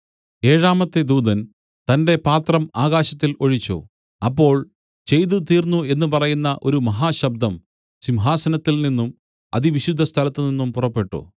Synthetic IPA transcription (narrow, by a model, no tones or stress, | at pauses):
e̞ːɻaːmɐt̪ːed̪uːd̪ɐn | t̪ɐnde̞paːt̪rɐmaːɣaːɕɐt̪ːilo̞ɻit͡ɕːṵ | ɐpːo̞ːɭ | t͡ɕe̞jt̪̬ut̪iːrnːue̞nːupɐrɐjunːɐʔo̞̰ɾumɐɦaːɕɐb̚d̪ʱɐm | ɕimɦaːsɐnɐt̪ːilninːum | ɐ̰ðiʋiɕud̪ʱːɐst̪ʰɐlɐt̪ːɨninːumpurɐpːe̞ʈːṵ